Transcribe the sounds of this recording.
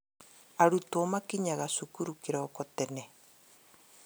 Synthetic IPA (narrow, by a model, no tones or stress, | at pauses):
aɾutwɔmakiɲaɣasukuɾukiɾaɔkɔtɛnɛ